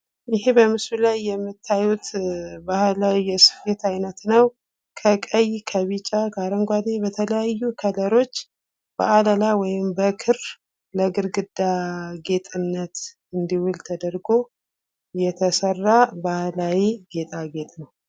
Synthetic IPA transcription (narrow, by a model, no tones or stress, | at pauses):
jɪɦebəmɨsulajːɛmːɨt̪ʰːajut̪bahlawijɛsɨ̥fe̞t̪ajnət̪nəw | kʰəkʼəjkʰəβit͡ʃʼakʰəaɾəŋɡʷad̪e̞bət̪ʰələjajːukʰələɾo̞t͡ʃː | b̥ə̰ʔaləlawɔjɪmbəkʰɨɾ | ləɡɨɾɡɨd̪aɡe̞t̪ʼɨnːət̪ | ɨnd̪iwʊlt̪ʰəd̪əɾɡo̞ | jɛt̪ʰəsərːabahlawiɡe̞t̪ʼaɡe̞t̪ʼnəw